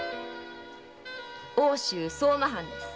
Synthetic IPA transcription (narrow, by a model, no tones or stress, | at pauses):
oːɕɨːsoːmaɦãnd̪esɨ̥